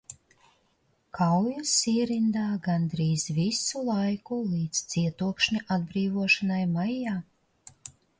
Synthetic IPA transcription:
kʰawjasiːɾind̪aːɡand̪ɾiːzvisulˠajkulˠiːt̪st̪siɛt̪uɔkʃnʲiʔad̪̚bɾiːvuɔʃanajmajːaː

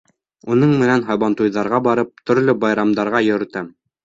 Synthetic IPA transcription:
unɤɴmɘ̆nænɦɑjβɑnt̪ujðɑɾʁɑbɑɾɤp̚t̪ɵ̆ɾlɘbɑjɾɑmd̪ɑɾʁɑjɵ̆ɾɘ̆t̪æm

